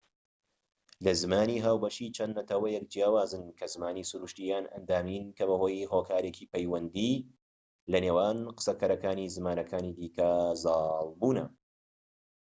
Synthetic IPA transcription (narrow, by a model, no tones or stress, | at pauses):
lɐzɨmaːniːɦaːwbɐʃiːt͡ʃʰɐnːɐt̪ʰɐwɐjɛk̚d͡ʒjaːwaːzɨnkʰɐzɨmaːniːsuɾuːʃt̪ijaːnʔɐ̰nd̪aːmiːnkɐβɐho̞ːjɦoːkʰaːɾeːciːpɐjwɐnd̪i | lɐneːwaːnqɨ̥sɐkʰɐɾɐkaːnizɨmaːnɐkʰaːniːd̪iːkɐzɑːlˠbuːnɐ